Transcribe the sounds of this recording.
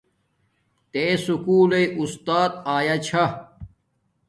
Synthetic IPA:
t̪eːsukuːleiust̪aːt̪̚aːjat͡ɕʰɐ

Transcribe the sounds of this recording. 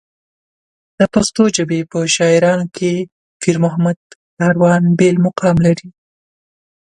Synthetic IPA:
d̪̥əpast̪od͡ʒəbepəʃɑɪɾɑnokʰe | fiɾmʊɦamad̪kɑɾwɑnbelmʊqɑmlaɾi

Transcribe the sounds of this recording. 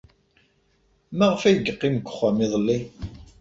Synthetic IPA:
mæʁəfæjəɡəqːiməɡʷə̥χːamiðˤəlːi

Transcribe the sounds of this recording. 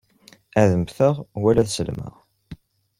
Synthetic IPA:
æðəmθəʁwælæðsəlmə̰ʁ

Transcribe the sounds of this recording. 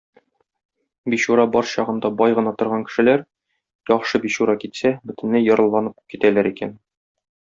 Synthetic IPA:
biɕuɾɑbɒɾɕɒʁɤ̆nd̪ɑbɒjʁɤ̆nɑt̪ŏɾʁɑŋkɘ̥̆ʃɘ̆læɾ | jɒχʃɤbiɕuɾɑkit̪sæbɵ̆t̪ɘ̆nlɘjɒɾɤ̆lˠːɑnɤp̚kit̪ælæɾikæn

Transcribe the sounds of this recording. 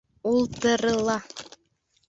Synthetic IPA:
ulˠt̪ɤ̆ɾɤ̆lˠɑ

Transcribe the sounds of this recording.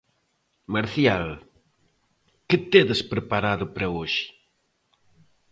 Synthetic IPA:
maɾθjal | kɨt̪eðespɾəpaɾaðupɾɐoʒi̥

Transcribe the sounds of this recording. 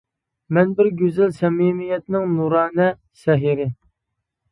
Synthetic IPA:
mɛnbɪɾɡʲøzɪlsɛmimijɛt̪̚nɪŋnuɾɑːnɛ | sɛɦiɾɪ

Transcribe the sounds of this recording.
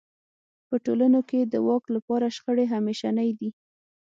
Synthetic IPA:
pəʈolanoked̪əwɑklapɑɾaʃxəɽeɦameʃanajd̪i

